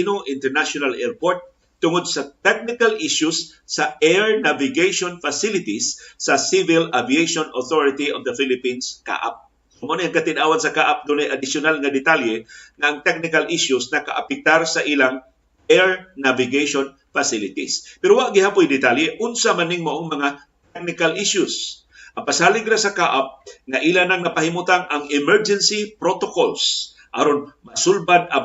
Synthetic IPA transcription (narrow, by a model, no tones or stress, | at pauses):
inoʔɪnt̪ɛɹnaʃʊnalʔɛɹpoɹt̪̚ː | ʊŋod̪̚sɐt̪ɛk̚nɪkalʔɪʃjʊsː | ɐʔɛɹnavɪɡejʃonfasɪlɪt̪ɪsːɐsivɪlaviejʃonoθoɹɪt̪iʔovd̪ɐfɪlɪpinska̰ʔa̰p̚ | somoniʔɐŋkɐt̪ɪnaːwɐnsɐkaːʔap̚d̪unɛjʔɐd̪ɪsjʊnalŋɐd̪ɪt̪aljɛŋɐʔɐŋt̪ɛk̚nɪkalʔiʃʊsnɐka̰ʔa̰pɛk̚t̪aɾsɐʔiːlaŋ | ʔɛɹnavɪɡejʃon | fasɪlɪt̪ispɛɾowaʔɡɪhapʊjd̪ɪt̪aljɛʔʊnsamanɪŋmaʔoŋmɐŋa | t̪ɛk̚nɪkalʔɪʃʊs | ʔaŋpasaːlɪɡɾasakaʔap̚ŋaʔiːlanaŋnɐpahimut̪aŋʔaŋɪmɛɹd͡ʒɛnsipɾot̪okols | ʔaɾonmasʊlbad̪̚a